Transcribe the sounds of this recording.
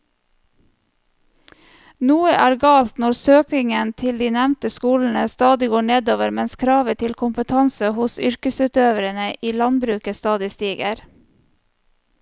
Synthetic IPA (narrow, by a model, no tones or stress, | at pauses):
nuːəʔæːɾɡɑːlt̪nɔɾsøːknɪŋənt̪ʰɪld̪iːnɛmnt̪əskuːln̩əst̪ɑːd̪ɪɡoːɳeːd̪oːʋəɾmɛnskʰɾɑːʋət̪ʰɪlkʰʊmpət̪ʰɑnsəhʊsʏɾkəsʉːt̪øːʋəɾənəʔiːlɑnbɾʉːkəst̪ɑːd̪ɪst̪iːɡə̰ɾ